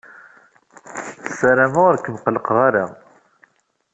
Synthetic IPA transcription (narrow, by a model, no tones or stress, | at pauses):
sæɾæmaɾkːəmqələqʁaɾa